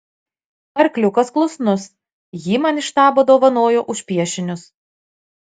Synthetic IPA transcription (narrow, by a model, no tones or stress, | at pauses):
pɐɾkʲlʲʊkɐsklˠʊsnʊs | jiːmɑnɪʃt̪ɑːboːd̪oːʋɐnoːjoːʔʊʃʲpʲiɛʃʲɪnʲʊs